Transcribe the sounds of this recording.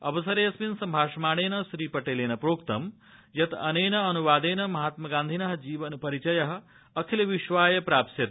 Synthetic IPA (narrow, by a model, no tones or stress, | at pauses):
ɐ̰ʋɐsɐɾeːɐsminsɐmbʱaːʂɐmaːɽ̃eːnɐʃɾiːpɐʈeːleːnɐpɾoːkt̪ɐ̰m | jɐt̪ɐneːnɐɐnuʋaːd̪eːnɐmɐɦaːt̪mɐɡaːnd̪ʱinɐɦɐd͡ʒiːʋɐnpɐɾit͡ʃɐjɐɦɐ̆ | ɐkʰilɐʋiʃʋaːjɐpɾaːpsjɐt̪